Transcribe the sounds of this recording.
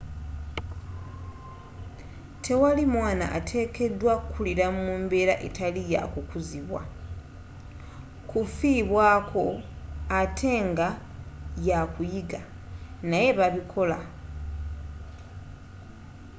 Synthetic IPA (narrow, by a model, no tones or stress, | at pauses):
tʰe̞walimwaːna̰ʔa̰tʰe̞ke̞dwakukʰuliɾamuːmbe̞ɾaʔḛtalija̰kukuziβwa̰ | kufiβwaːkʰo̞atʰe̞ːŋɡa | jakujiɡa | naje̞βaβikʰo̞la